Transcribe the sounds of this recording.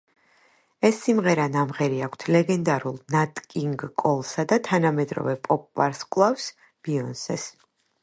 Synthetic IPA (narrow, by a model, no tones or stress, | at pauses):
ɛsːimʁɛɾanamʁɛɾiakʷʰt̪ʰlɛɡɛnd̪aɾulˠnat̪ʼkʼiŋɡːʼɔlˠsad̪at̪ʰanamɛd̪ɾɔ̰vɛpʼɔpʼːaɾskʼlˠafs | b̥iɔnsɛs